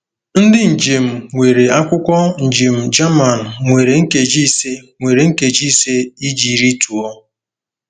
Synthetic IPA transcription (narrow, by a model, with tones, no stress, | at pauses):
n̩˦dɪ˦n̩˨d͡ʒe˨m̩˨ŋʷe˨ɾe˨a˦kʷʊ˦kʷɔ˦n̩˨d͡ʒe˨m̩˨d͡ʒa˦ma˨n̩˨ŋʷe˨ɾe˨ŋ̩˦ke˨d͡ʒi˦˨se˦ŋʷe˨ɾe˨ŋ̩˦ke˨d͡ʒi˦se˦i˦d͡ʒi˨ɾi˦tu˨ɔ˦